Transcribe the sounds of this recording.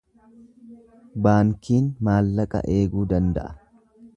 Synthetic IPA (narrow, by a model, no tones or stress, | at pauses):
baːŋkiːnmaːlːɐkʼɐ̰ʔe̞ːɡuːd̪ɐnd̪ɐ̰ʔɐ̥